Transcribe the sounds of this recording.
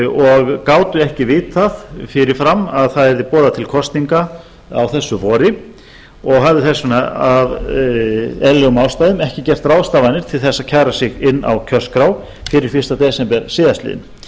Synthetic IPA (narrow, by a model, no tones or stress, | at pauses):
ɔɣkaːwt̪ʏɛhcɪvɪːt̪θaðfɪɾɪɾ̥fɾamːaðθaðɛɾðɪpɔːðat̪ʰɪlkʰɔst̪niŋka | a̰wθɛsːʏvɔːɾɪ | ɔɣɦavðɪθɛsːʏnaav | ɛlːɛɣʏmawst̪ajðʏmɛhcɪcɛr̥t̪raːwst̪aːvanɪɾ̥t̪ʰɪlθɛsːaðcʰaɣɾasɪɣɪnːa̰wcʰœ̥skɾaw | fɪɾɪɾ̥fɪr̥t̪at̪ɛːsɛmpɛɾsiːðast̪lḭːɪ̰n